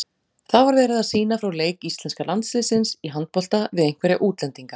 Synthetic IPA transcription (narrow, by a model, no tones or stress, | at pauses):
θavaɾvɛːɾɪðaðsiːnafɾawleːjkist̪lɛnskalant̪svɪsɪnsiɦant̪̚pɔl̥t̪avɪðejŋ̥kvɛɾja̰ʔuːt̪lɛnt̪iŋka